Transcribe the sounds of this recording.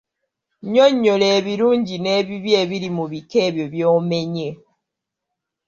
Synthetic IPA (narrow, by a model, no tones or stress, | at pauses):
ɲɔɲːoleβiɾuɲɟineβiβjeβiɾimuβikeβjoβjomeɲe